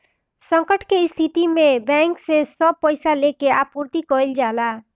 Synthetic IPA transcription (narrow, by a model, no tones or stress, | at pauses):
sʌŋkəʈkeist̪ʰit̪imebaŋksesʌb̚pʌjsalekeapuɾt̪ikʌild͡ʒala